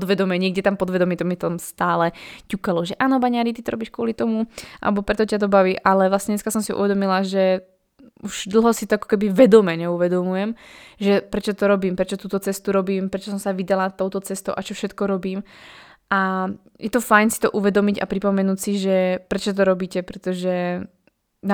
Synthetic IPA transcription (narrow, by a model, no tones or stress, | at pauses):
pɔd̪ʋɛd̪ɔmɛɲɪɛɡɟɛt̪ampɔd̪ʋɛd̪ɔmit̪ɔmit̪ɔmst̪aːlɛcukalɔʒɛʔaːnɔbaɲaɾit̪̬it̪ɔɾɔbiːʃkʊɔlit̪ɔmuʔa̰lɛbɔpɾɛt̪ɔcat̪̬ɔbaʋiːʔalɛʋlasɲɛɲɛskasɔmsiṵʋɛd̪ɔmilaʒɛ | uʒ̥d̪l̩ˠɦɔsit̪ɔakɔ̥kɛbiʋɛd̪ɔmɛɲɛuʋɛd̪ɔmujɛmʒɛpɾɛt͡ʃɔt̪ɔɾɔbiːmpɾɛt͡ʃɔt̪uːt̪ɔt͡sɛst̪uɾɔbiːmpɾɛt͡ʃɔsɔmsaʋid̪alat̪ɔʊt̪ɔt͡sɛst̪ɔʊʔat͡ʃɔfʃɛt̪kɔɾɔbiːm | ʔa | jɛt̪ɔfajnsi̥t̪ɔʔuʋɛd̪ɔmica̰pɾipɔmɛnuːcsiʒɛpɾɛt͡ʃɔt̪ɔɾɔbiːcɛpɾɛt̪ɔʒɛ | n